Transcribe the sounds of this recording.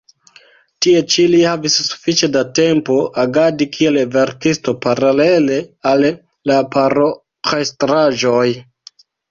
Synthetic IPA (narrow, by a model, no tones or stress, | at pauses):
tie̞t͡ʃilihavissu̥fit͡ʃe̞date̞mpo̞ʔaɡadikʰie̞lve̞ɾtisto̞paɾale̞le̞al | lapaɾo | χestɾaʒo̞j